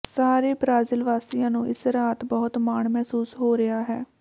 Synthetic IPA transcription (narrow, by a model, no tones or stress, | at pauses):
saːɾeːbɾaːzɪlʋaːsijãːnũːʔɪsɾaːt̪bɔɦʊt̪maːɳmɛɦsuːsɦoːɾɪaːɦɛː